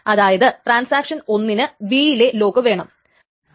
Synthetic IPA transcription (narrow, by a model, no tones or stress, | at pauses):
ɐðaːjɐðɨʈraːnsaːkʂɐno̞nːinɨʋiːjile̞lo̞ːkɨʋe̞ːɳɐm